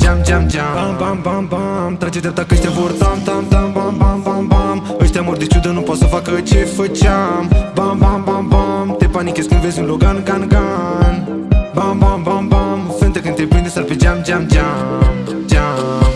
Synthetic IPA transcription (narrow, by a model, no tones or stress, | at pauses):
d͡ʒamd͡ʒamd͡ʒabambambambamt̪ɐt͡ʃit̪eɾt̪akət͡ʃt̪ãʋoɾt̪aːmt̪amt̪ambambambambam | ət͡ʃt̪ãmoɾd̪it͡ʃʰud̪ənupɐsɐfakət͡ʃʰefət͡ʃambambambambamt̪epaːnikeskiʋezũnloɡanɡanɡan | bambambambamfənt̪əkənt̪epə̃nd̪esɐɾped͡ʒamd͡ʒamd͡ʒam | d͡ʒam